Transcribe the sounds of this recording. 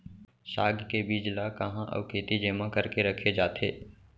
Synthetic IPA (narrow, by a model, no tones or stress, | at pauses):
ʃaːɡkebiːd͡ʒlakɐɦãʔə̰ʋkeːt̪id͡ʒeːmãkəɾkeɾɐkʰed͡ʒaːt̪ʰḛː